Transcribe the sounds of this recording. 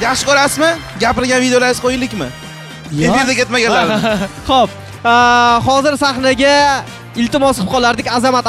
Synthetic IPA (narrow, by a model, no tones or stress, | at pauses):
jaχʃɪkɒɾasmɪɡʲapɪɾɡʲanvid̪eolaɾɪz̥qʰojɪlːɪkʲmɪ̰ | efiɾd̪akʲet̪maɡʲanlaɾχop̚ | χɒzɪɾsaχnaɡʲa | ɪlt̪ɪmɒsqʰɨp̚qʰɒlˠaɾd̪ɪkʲazamat̪